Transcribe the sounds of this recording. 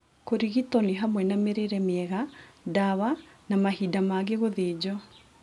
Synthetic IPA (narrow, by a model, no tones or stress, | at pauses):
koɾiɣitɔniɦamwɛnameɾeɾɛmeɛɣadaβanamahidamaɣeɣoðeːd͡ʑɔ